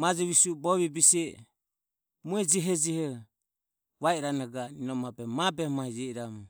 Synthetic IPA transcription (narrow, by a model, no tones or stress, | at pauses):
mad͡ʒɛβisubɔβibisɛ | muɛd͡ʒɛɦɛd͡ʒɛhɛ | βaɛɾanaɡaninɔmabɛmabɛmahid͡ʒɛiɾamu